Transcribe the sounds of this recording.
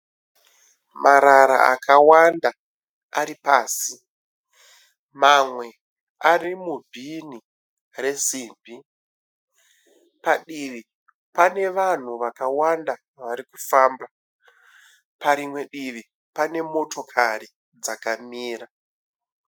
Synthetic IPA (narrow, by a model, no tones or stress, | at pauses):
maɾaɾa̰a̰kʰawanda | aɾipaːsi | mamwe̞ | arimubʱini | re̞siːmbʱi | paɗiʋi | pane̞ʋan̤uʋakawanda | ʋaɾiku̥faːmba | paɾimwe̞ɗiʋi | pane̞mo̞to̞kʰari | d͡zakamiːra